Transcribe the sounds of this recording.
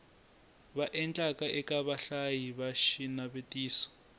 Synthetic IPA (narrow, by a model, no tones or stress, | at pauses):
βaʔɛnt͡ɬʼakʼaʔɛkʼaβaɬajiβaʃinaβetʼiːsɔ̥